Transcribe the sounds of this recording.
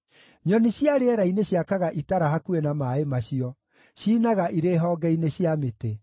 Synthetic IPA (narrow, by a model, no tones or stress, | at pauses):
ɲɔneɕjaɾeɛɾaineɕjakaɣaʔitaɾaɦakuenamaemaɕiɔ | ɕiːnaɣaʔiɾeːɦɔːɡɛineɕjamete